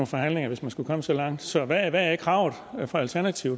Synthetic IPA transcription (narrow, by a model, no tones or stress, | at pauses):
on̩fɒ̽ɦæn̰le̝ŋɐʋe̝smænsɡ̥ukʰɒ̽məsɒ̽lɑ̈ŋ̰d̥sɒ̽ʋæʋææeɡ̥ʰʁɑ̈ʊð̩ˠfɒ̽ælt͡sʰæɐnæt͡sʰiʊ